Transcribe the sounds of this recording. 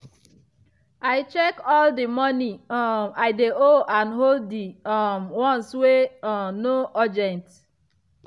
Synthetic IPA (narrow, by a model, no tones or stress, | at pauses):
aɪt͡ʃɛkɔldimɔnimaɪdeoʔãnɦolddimwɔ̃nswenoɔd͡ʒɛ̃nt